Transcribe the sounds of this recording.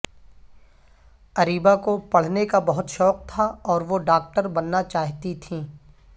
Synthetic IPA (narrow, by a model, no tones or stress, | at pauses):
ɐɾiːbakopɐɽ̤nekabɐɦʊt̪ʃɔːq̚t̪ʰaɔːɾʋoɖaːk̚ʈəɾbɐnːat͡ʃaːɦt̪it̪ʰĩː